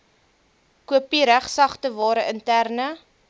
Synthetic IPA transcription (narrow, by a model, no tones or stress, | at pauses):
kuəpiɾæχsɐχtəvɑːɾəʔəntærnə